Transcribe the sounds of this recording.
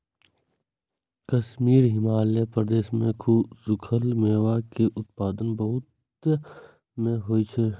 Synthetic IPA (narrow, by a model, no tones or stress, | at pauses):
kɐʃmiːɾɦɪmaːlepɾd̪eːʃmẽkʰusʊkʰəlmeːʋakeʔʊt̪paːd̪ənbɐɦʊt̪ | mẽɦoːit͡ʃʰe